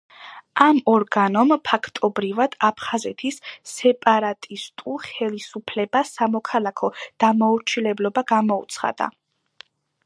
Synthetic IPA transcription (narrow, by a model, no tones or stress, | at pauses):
amɔɾɡanɔmpʰakʰt̪ʼɔbɾivad̪̥apʰχazɛt̪ʰisːɛpʼaɾat̪ʼist̪ʼuχɛlisupʰlɛbasamɔkʰalˠakʰɔd̪̥amauɾt͡ʃʰilɛblɔbaɡamɔṵt̪sʰχa̰d̪a̰